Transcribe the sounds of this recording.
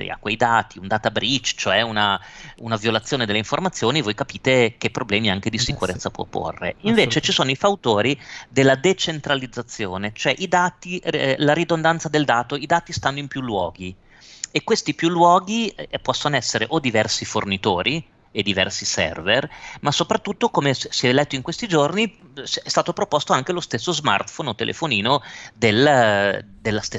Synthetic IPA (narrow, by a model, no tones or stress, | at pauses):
ḭa̰kwejd̪aːt̪iund̪aːt̪abɾit͡ʃːt͡ʃoɛunaunavjolat̪sːjoːned̪eleiɱformat̪sːjoːnivojkapiːt̪ek̟epːɾoblɛːmiaŋk̟ed̪isikuɾet̪sːapwɔ̰pːo̰rːḛiɱveːt͡ʃet͡ʃisoːnoifawt̪oːɾid̪elːad̪et͡ʃent̪ɾalid̪zːat̪sːjoːnet͡ʃoɛʔid̪aːt̪ilaɾid̪ond̪ant̪sad̪eld̪aːt̪oid̪aːt̪ist̪anːoimpjulːwɔːɡi | ekːwest̪ipjulːwɔːɡipɔsːonoɛsːeɾeʔod̪ivɛrsifornit̪oːɾʔi | ed̪ivɛ̰rsisɛ̰rvermasopɾat̪ːut̪ːokomesiɛlɛt̪ːoiŋkwest̪id͡ʒornisɛst̪aːt̪opɾopost̪oaŋk̟elost̪esːozma̰rt̪fonot̪ḛlʔḛfoniːnod̪el | d̪elːast̪e